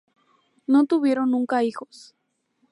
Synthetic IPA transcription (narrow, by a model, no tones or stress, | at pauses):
not̪ʊβjeɾonːʊŋkaixos